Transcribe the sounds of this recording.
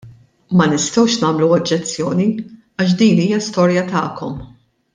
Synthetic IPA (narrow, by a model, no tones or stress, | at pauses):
mɐnɪst̪ɛwʃnɐːmluɔd͡ʒːɛt͡sːjɔːni | ɐʃ̬d̪iːniːjɐst̪ɔːɾjɐt̪ɐːkɔm